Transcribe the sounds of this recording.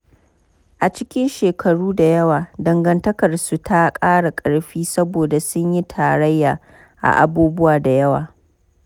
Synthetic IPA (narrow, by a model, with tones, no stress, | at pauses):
ʔa˨t͡ʃɪ˦kʲɪ˦nʃeː˨kʰɐ˨ɽuː˦da˨jɐ˦waː˨dɐ˨ŋɡɐ˨ntɐ˦kɐ˨rsu˨tʰa˦kʼaː˦ɽa˨kʼɐ˨ɽɸiː˦sɐ˦boː˨da˨sʊ˦ɲji˦tʰaː˨ɾɐ˦jːaː˨ | ʔa̰˨ʔa̰˨buː˦bʊ˦waː˨da˨jɐ˦wa̰ː˨